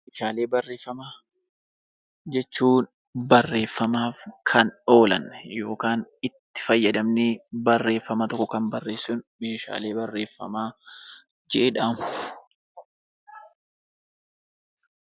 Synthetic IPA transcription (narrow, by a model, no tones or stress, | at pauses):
meːʃaːle̞ːbɐrːe̞ːfːɐmaː | d͡ʒɛt͡ʃːuːn | bɐrːe̞ːfːɐmaːfkʰɐno̞ːlɐ̰nːjo̞ːkaːnɪt̪ːɪ̥fɐjːɐd̪ɐmnɪbɐrːe̞ːfːɐmɐt̪ɔkːɔkɐmbɐrːe̞ːsːʊnmeːʃa̰ːle̞ːbɐrːe̞ːfːɐ̰maː | d͡ʒɛʔeːᶑaːmʊ̥